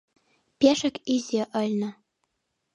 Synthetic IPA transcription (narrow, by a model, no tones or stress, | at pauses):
pʲeʃə̆kizʲeʔəlʲnə̆